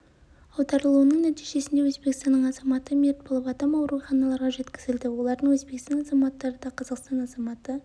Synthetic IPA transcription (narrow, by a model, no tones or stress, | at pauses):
ɑwd̪ɑɾəlˠuənəɴnæt̪ijʒe̞sɪnd̪e̞wɵzbe̞kʲɪst̪ɑnːəɴɑzɑmɑt̪əmet̪̚bolˠəpɑd̪ɑmɑwɾuχɑnɑlˠɑɾʁɑʒe̞t̪kʲɪzɪld̪ɪwo̞lˠɑɾd̪əɴwɵzbe̞kst̪ɑnɑzɑmɑt̪ːɑɾəd̪ɑqʰɑzɑqst̪ɑnɑzɑmɑt̪ə